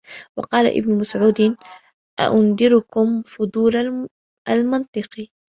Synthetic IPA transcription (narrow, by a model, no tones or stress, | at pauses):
wɑqɑːla̰ʔɪ̰bnʊmasʕuːd̪ɪn | ʔa̰ʔʊnd̪ɪɾʊkʊmfʊd̪ˤuːɾa | ʔalmɑnt̪ˤɨqi